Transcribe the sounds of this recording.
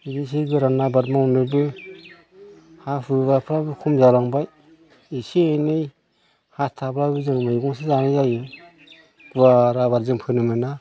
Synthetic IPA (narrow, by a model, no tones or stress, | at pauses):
ibis̬iɡɯɾanabat̚maunɯbɯ | hafɯβapʰɾabɯkʰumzawɾaŋbaj | isiajnɯj | hastʰabɾaɡɯzɯŋmɯjɡɔŋsɯzaŋɯzajɯ | ɡ̥uaɾaβaɾzɯŋpʰɯnɯmɯna